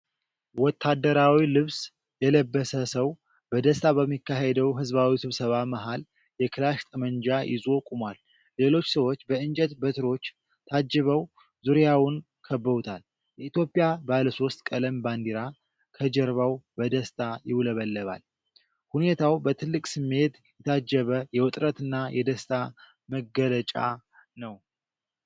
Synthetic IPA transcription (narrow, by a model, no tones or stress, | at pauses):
wɔt̪ʰːad̪ːəɾawilɨβs | jɛləbːəsəsəw | bəd̪əst̪ʰaβəmːikːaɦed̪əwɦɨzβawisɨβsəβamaɦal | jɛkʰɨlaʃt̪ʼəmənd͡ʒajʔɪ̰zo̞kʼumwal | le̞lo̞t͡ʃːsəwo̞t͡ʃːbəɨnd͡ʒʼɛt̪bət̪ʰɨɾo̞t͡ʃː | t̪ʰad͡ʒːɛβəw | zuɾjawʊn | kʰəbːəβut̪ʰal | jɛit̪jo̞pʼijabaləso̞st̪ʼkʼələmband̪iɾa | kʰəd͡ʒəɾβawbəd̪əst̪ʰʼajɪwləβəlːəβa̰l | hune̞t̪ʰawbət̪ʰɨlːɨkʼsɨmːe̞t̪ | jɛt̪ʰad͡ʒːəβəjɛwʊt̪ʼɾət̪ɨnːajɛd̪əst̪ʰʼa | məɡələt͡ʃʼa̰ | nəw